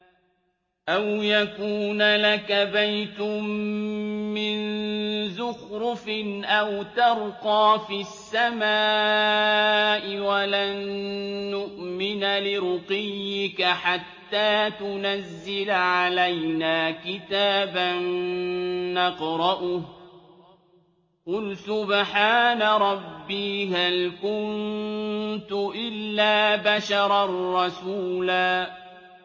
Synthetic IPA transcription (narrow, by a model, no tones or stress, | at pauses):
ʔawjakuːnalakabajt̪ʊm | mːɪnzʊxɾʊfɪnʔawt̪ɑɾqɑːfisːamaː | ʔɪwalanː | ʊʔmɪnalɪɾʊqɪjːɪkaħat̪ːaːt̪ʊnazːɪlʕalajnaːkɪt̪aːbanː | ɑqɾˤɑʔʊh | qʊlsʊbħaːnaɾˤɑbːiːhalkʊn | t̪ʊʔɪlːaːbaʃɑɾˤɑrːɑsuːlaː